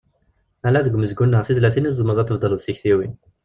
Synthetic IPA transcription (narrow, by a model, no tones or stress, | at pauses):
ælæðəɡʷːməzɡunːəʁθizlæθinizˤːəməðˤæt̪ːəvd̪ˤəlðθiçθiwin